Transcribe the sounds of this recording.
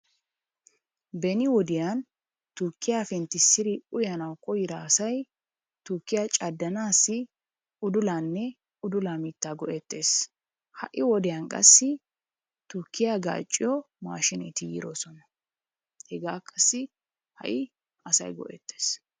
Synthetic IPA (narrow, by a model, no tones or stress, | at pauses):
bɛnɪwɔd̪ɪjan | t̪ʊkːɪjaːfɛnt̪ːɪsːɪɾɪʔʊjɐnɐwkʼɔjɪɾaːsɐj | t̪ʊɾkːɪjat͡ʃʼɐd̪ːɐnaːsːɪ | ʔʊd̪ʊlaːnːɛ | ʊd̪ʊlamiːt̪ːaːɡɔʔɛt̪ːe̞ːs | hɐ̰ʔɪwɔd̪ɛjankʼɐ̰sːɪ | t̪ʊɾkːɪjaɡa̰ːt͡ʃʼːɪjɔ | ma̰ːʃɪnɛ̰t̪ɪjɪ̰ɾoːsɔnɐ | hɛɡaːkʼːɐsːɪ | hɐ̰ʔɪ | ɐsɐ̰jɡɔ̰ʔɛ̰t̪ːeːs